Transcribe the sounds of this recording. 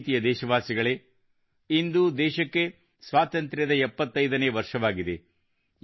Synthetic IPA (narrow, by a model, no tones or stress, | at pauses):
t̪ijɐd̪ɛːʃɐʋaːsiɡɐɭe̞ | ind̪ud̪ɛːʃɐkːe̞ | sʋaːt̪ɐnt̪ɾjɐd̪ɐɛpːɐt̪ːɐjd̪ɐneːʋɐɾʂɐʋaːɡid̪e̞